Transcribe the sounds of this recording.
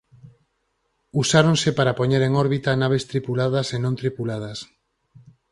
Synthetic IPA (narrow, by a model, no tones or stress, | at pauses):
usaɾõnsɪpaɾapoɲeɾeŋɔɾβit̪anaβ̞est̪ɾipulaðɐsenõnt̪ɾipulað̞ɐs